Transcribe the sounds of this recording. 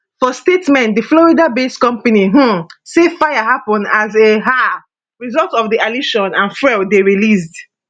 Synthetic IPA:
fɔstetmɛ̃ntdəflɔɹidabeskɔ̃mpaniɦm̩sefajaɦapɔ̃ndazeɦa | ɹizɔltsɔfdialiʃɔ̃nãnfɹɛldeɹilis̬d

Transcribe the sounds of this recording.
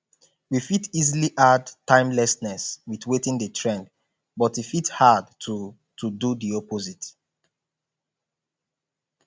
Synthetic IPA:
wifitiziliʔadtãɪ̃mlɛsnɛswiðwetĩŋdətʰɹɛ̃nd | bɔtwifithadtʰu | tududiɔpozit

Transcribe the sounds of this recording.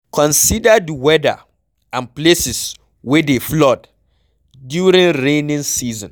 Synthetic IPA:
kʰɔ̃nsidadiwɛda̰ | ãnplesis | wɛdeflɔt | djuɾĩŋɹẽnĩnsizɔ̰̃n

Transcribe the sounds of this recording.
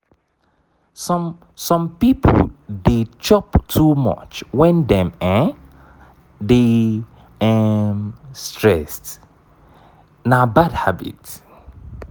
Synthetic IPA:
sɔm | sɔ̃mpipʰo̰ldet͡ʃɔptʰumɔ̰t͡ʃwɛ̃ndɛ̃mɛ̃ | de | ɛmstɹɛst | nabadhabḭt

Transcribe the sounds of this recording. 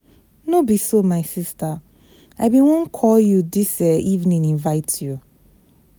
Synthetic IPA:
nobisomaɪsista | abĩwõnkʰɔljudisɛivnĩnĩɱvaɪtʰju

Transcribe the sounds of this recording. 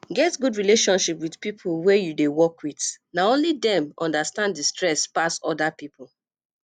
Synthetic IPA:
ɡɛtɡudɹileʃɔ̃nʃipwidpipʰulwɛjudewɔkwitnaõnlidɛ̃mɔ̃ndastãnddistɹɛspasɔdapipʰul

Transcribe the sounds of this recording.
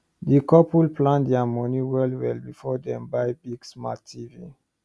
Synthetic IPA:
dikɔpulplãndɛamɔ̃niwɛlwɛlbifɔdɛ̃mbajbiɡsma̰tʰːivi

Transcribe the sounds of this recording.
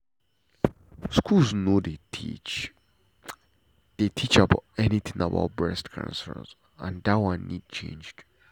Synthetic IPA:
skʰulznodei | d̥etʰit͡ʃabaʊtɛnit̪ʰɪ̃ŋaba̰ʊt̚bɹɛstkʰə̰̃nsə̰̃nz | ãndatwãnːid̚t͡ʃʰḛ̃nd͡ʒd̥

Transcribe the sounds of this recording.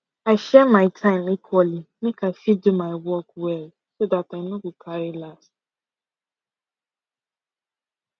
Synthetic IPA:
aɪʃɛmaɪtʰãɪ̃mikʰwɔlinɪ̃kʰãfidumaɪwɔkwɛl | sodatãɪmnɔ̃kukʰaɾɪlas

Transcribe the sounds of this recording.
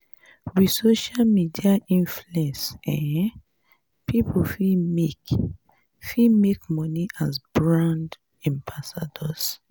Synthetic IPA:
wisoʃalmidiaʔĩnfluɛ̃nsɛ̃ | pʰipʰufimek | fimekmɔniʔasbɹãnd | ɛ̃mbasadɔs

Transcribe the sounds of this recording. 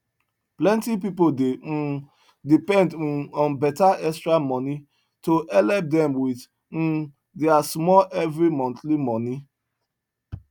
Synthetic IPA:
plɛ̃ntipipodem̩ | dipɛ̃ndɔ̃nbɛtaɛstɹamɔni | toʔɛlɛp̚dɛ̃mwið | n̩ | deasmɔlʔɛvɾimɔ̃ntlimɔni

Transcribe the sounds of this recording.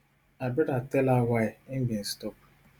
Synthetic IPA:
abɪɾatɛlawaɪɪŋ̩ɡin̩stɔp̚

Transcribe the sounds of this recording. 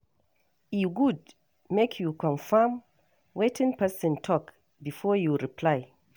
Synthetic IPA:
iɡud | mekʰjukɔ̃nfam | wetʰĩnpɛsɔ̃ntʰɔk | bifɔjuɹiplaj

